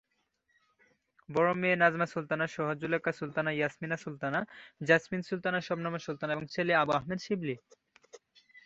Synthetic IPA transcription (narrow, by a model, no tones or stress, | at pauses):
bɔɾomeːnad͡ʑmasult̪anaʃɔɦod͡ʑulekasult̪anajasminasult̪anad͡ʑasminsult̪anaʃɔbnamosult̪anaeboŋt͡ɕʰeleabuaɦmed̪ʃibli